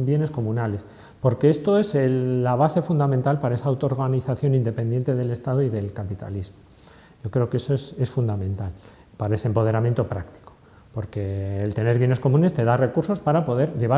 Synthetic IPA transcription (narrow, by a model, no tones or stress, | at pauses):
bje̞ne̞sko̞mũnale̞s | po̞ɾkeest̪o̞e̞selːaβ̞ase̞fund̪amẽnt̪alpaɾae̞saːwt̪oɾɣaniθaθjo̞nind̪e̞pe̞nd̪je̞nt̪e̞ðe̞le̞st̪að̞oiðe̞lkapit̪a̰lizmo | ɟ͡ʝo̞kɾe̞oke̞soese̞sfund̪amẽ̞nt̪al | paɾae̞sempo̞ð̞e̞ɾamje̞nt̪o̞pɾakt̪i̥ko | po̞ɾke̞ːlt̪e̞ne̞ɾβje̞ne̞sko̞mũne̞st̪e̞ðare̞kuɾso̞spaɾapo̞ð̞e̞ɾʎe̞β̞a